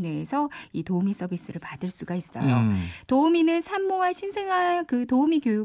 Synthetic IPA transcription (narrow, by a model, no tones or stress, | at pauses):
neːsʰʌitoumis͈ʌbis͈ɯɾɯɭpadɯɭs͈uɡais͈ʌ̰jotouminɯnsʰamːowaɕʰinsʰe̞ŋɦankɯtoumikjoju